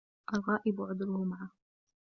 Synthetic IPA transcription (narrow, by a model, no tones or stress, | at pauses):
ʔalɣɑːʔɪbʊʕʊd̪ɾʊhʊmaʕa